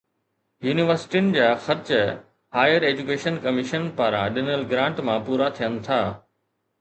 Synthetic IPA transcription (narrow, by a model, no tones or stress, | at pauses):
juːniʋəɾsɪ̥ʈijʊnɪ̆d͡ʑaːxɐɾt͡ɕ | haːjəɾeːd͡ʑukeːʃənkɐmɪʃənpaːɾãɗɪnəlɡɾãːɳʈmãpuːɾat̪ʰijənɪ̆t̪ʰaː